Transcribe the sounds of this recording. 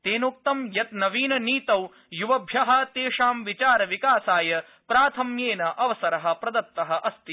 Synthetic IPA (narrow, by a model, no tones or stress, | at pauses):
t̪eːnuk̚t̪ɐmjɐt̪nɐʋiːnɐniːt̪ɐw | juʋɐbʱjɐɦɐt̪eːʂaːmʋit͡ʃaːɾɐʋikaːsaːjɐ | pɾaːt̪ʰɐmjeːnɐʔɐʋɐsɐɾɐɦɐ̆pɾɐd̪ɐt̪ːɐɦɐ̆ʔɐst̪i